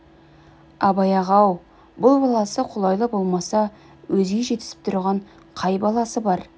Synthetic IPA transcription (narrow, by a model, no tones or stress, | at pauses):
ɑbɑjɑʁɑw | bʊlˠbɑlˠɑsəqʰʊlˠɑjlˠəbo̞lˠmɑsɑ | wɵzɡʲe̞ʒe̞t̪ɪ̥sɪ̥p̚t̪ʰʊ̰ɾʁɑɴ | qʰɑjbɑlˠɑsəbɑɾ